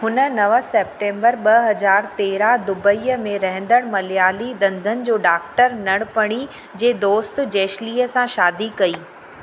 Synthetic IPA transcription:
hʊnə̆nɐʋəsɛːp̚ʈẽːmbəɾɓɐɦɐzaːɾt̪eːɾad̪ʊbəiːəmẽɾɐɦɪ̃nd̪əɽ̃mɐljaːliɗ̪ɐ̃nd̪ʱənɪ̆d͡ʑoːɖaːkʈəɾnɐɽ̃pɐɽ̃i | d͡ʑeːd̪oːst̪̆d͡ʑeːʃliːəsãʃaːd̪ikɐiː

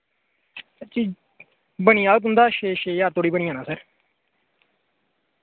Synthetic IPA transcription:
t͡ʃiː | bəɳ̃ĩːaːɡət̪̬ɦʊ̃nd̪aːʃeːʃeːaːɾt̪ʰoːɽiːbəɳ̃iːãːnãːsəɾ

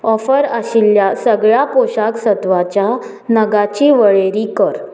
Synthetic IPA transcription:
ɔfəɾəɕiljasəɡɭjapoɕaksət̪ʋat͡ɕja | nəɡat͡ɕiːʋəɭeɾikəɾ

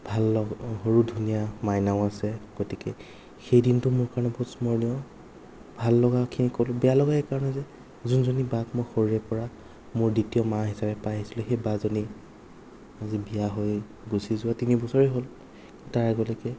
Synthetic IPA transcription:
bʱalːɔɦoɹudʱunijamajnaʊ̃asɛɡ̥otikɛ | xejdintʊmʊɹkaɹɔnɔbɔtsmɔɹniɔ | bʱalːɔɡakʰinikolbɛalɔɡaekaɹɔnɛzɛ | zunzonibakmojxoɹiɹɛpɔɹa | mʊɹditiɔmaɦisabɛpajɦisilʊxejbazoni | azibijaɦoj | busizʊatinibɔsɔɹeɦol | taɹaɡɔlɔkɛ

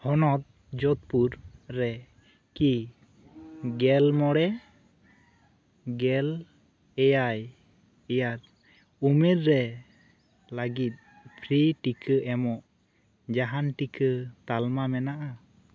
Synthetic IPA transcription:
hɔnɔt̪̚ | d͡ʒɔt̪̚puɾːɛ | ki | ɡɛlmɔɽɛ | ɡɛl | ɛjaj | ɛjaɾ | umɛɾːɛ | laɡit̪̚ˀ | pʰɾiʈikʰəʔɛmɔʔ | d͡ʒaɦanʈikʰət̪almamɛnaʔa

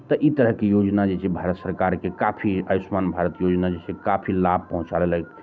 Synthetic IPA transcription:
t̪ɔʔit̪əɾəɦkejod͡ʒnad͡ʒet͡ʃʰebʱaɾət̪səɾkaɾkekapʰiəjusmanbʱaɾət̪jod͡ʒnad͡ʒet͡ʃʰɛkapʰilab̚ʱpəɦũt͡ʃalelɦək̪

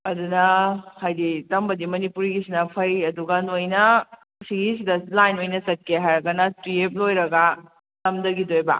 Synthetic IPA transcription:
ɐdunɐhajditɐmbɐdimɐnipuɾiɡisinɐpʰɐjɐduɡanojnɐ | siɡisidɐlajnojnɐsɐt̚keɦajɾɐɡɐnɐtɾiep̚lojɾɐɡɐ | tɐmdɐɡidojbɐ̰

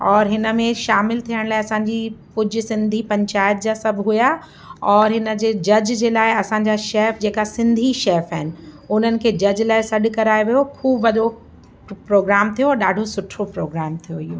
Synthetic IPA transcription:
ɔːɾɦɪnə̆mẽʃaːmɪlt̪ʰijəɽ̃laːɦɪɐsãːɲd͡ʑikʊd͡ʑʱʊ̆sɪ̃nd̪ʱipɐ̃ɲt͡ɕaːɪt̪̚d͡ʑasɐbʱɦuja | ɔːɾɦɪnə̆d͡ʑeːd͡ʑɐd͡ʑd͡ʑeːlaːɪɐsãɲd͡ʑaʃɛːfd͡ʑeːkasɪ̃nd̪ʱiʃɛːfaɦɪnɪ̆ʊnənɪ̆kʰeːd͡ʑɐd͡ʑlaːɪsɐɗkɐɾaːeʋijokʰuːbʋɐɗo | pɾoːɡɾaːmt̪ʰijoɾɗaːɖʱosʊʈʰopɾoːɡɾaːmt̪ʰijoɦijoː

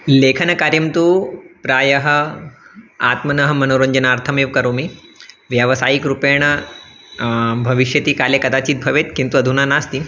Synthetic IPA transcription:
leːkʰɐnɐkaːɾjɐmt̪upɾaːjɐɦɐ̆ | a̰ːt̪mɐnɐɦɐ̆mɐnoːɾɐɲd͡ʒɐnaːɾt̪ʰɐmeːʋkɐɾoːmi | ʋjɐʋɐsaːjikɾupeːɳ̃ɐ | bʱɐʋiʃjɐt̪ikaːlekɐd̪aːt͡ʃiːt̪̚bʱɐʋeːt̪kint̪uɐd̪ʱunaːnaːst̪i

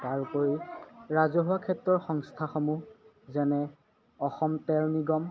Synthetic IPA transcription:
taɹukoɹiɹazɔɦuwakʰɛtːɹɔɹxɔŋstʰaxɔmu | zɛnɛ | ɔxɔmtɛɹniɡɔm

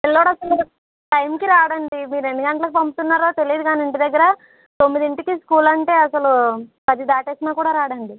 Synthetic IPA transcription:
elːoːɽɐsɐl | ʈɐjmkiɾaːɽɐɳɖimiːɾuend̪uɡɐɳʈlɐkipɐmput̪unːaːɾoːt̪e̞lijːd̪uɡaːnɐɳʈid̪ɐɡːɐɾɐ | t̪omːid̪iɳʈikiskuːlɐɳʈe̞ːɐsɐlukɐd̪id̪aːʈeːsinaːkuːɽaːɾaːɽɐɳɖi

